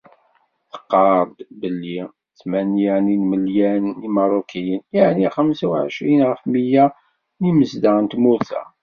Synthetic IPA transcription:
θə̥qːɑɾˤd̪bəlːi | θmænjæninməljænimɑɾˤokʰːijənjaʕniχəmsawʕə̰ʃɾinʁəfməjæ | niməzd̪əənt̪mʊɾθæ̰

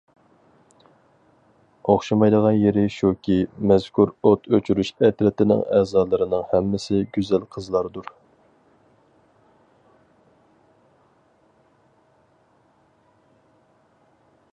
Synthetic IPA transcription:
oχʃɑmɑjd̪əʁɑnjeɾɪʃukʲʰimɛz̥kʰuɾot̪ʰøt͡ʃʰyɾyʃɛt̪ɾɛt̪ɪnɪ̰ŋɛːzɑːlˠɨɾɨnɨŋhɛmːɪsɪɡʲyzɛlqʰəzlˠɑɾd̪uɾ

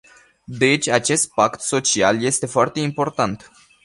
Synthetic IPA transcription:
d̪e̞t͡ʃʲat͡ʃe̞st̪̚pakt̪so̞t͡ʃialje̞st̪e̞foart̪e̞impo̞rt̪ant̪

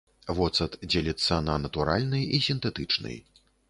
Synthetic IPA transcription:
vɔt̪sɐt̪d͡zʲelʲit̪sːɐnɐnɐt̪uɾa̰lʲnɨjisʲint̪ɛt̪ɨt͡ʂnɨ̰j

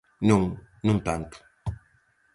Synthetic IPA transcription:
nũŋ | nũt̪ãnt̪u̥

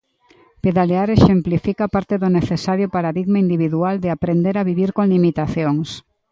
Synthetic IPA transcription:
peðaleaɾeʃemplifikapaɾt̪eðʊneθesaɾjʊpaɾaðiɣmaind̪iβ̞iðuald̪ɪapɾend̪eɾaβiβiɾkoŋlimit̪aθjoŋs

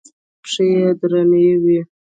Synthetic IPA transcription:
pʂejed̪ɾanewi

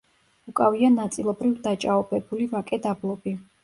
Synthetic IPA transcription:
ukʼavianat̪sʼilˠɔbɾivd̪at͡ʃʼaɔbɛbulivakʼɛd̪ablˠɔbi

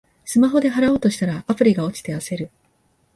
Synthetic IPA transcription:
sɨmaɦo̞d̪e̞ɦaɾao̞ːt̪o̞ɕi̥t̪aɾaapɯ̟ɾʲiɡao̞t͡ɕi̥t̪e̞ase̞ɾɯ̟

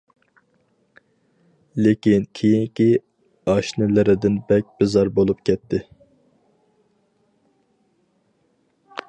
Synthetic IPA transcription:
lekʲinkʲʰejiŋkʲi | ɑʃnɪlɪɾɪd̪ɪnbɛk̚ʲbɪzɑɾbolˠup̚kʲʰɛt̪ʰːɪ

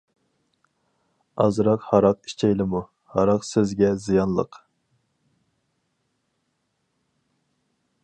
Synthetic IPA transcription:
ɑzɾɑqhɑɾɑqi̥ʃt͡ʃʰɛjlɪmu | hɑɾɑqsezɡʲɛzijɑnlˠə̰q

